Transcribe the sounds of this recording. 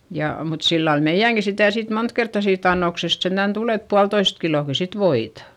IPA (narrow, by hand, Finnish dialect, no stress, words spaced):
jɑ mut silːɑl meij̆æŋki sitæˑ sit mont kertːɑ siːt ɑnːoksest sentæn tul et puɑltoist kiloˑki sit ʋoitɑ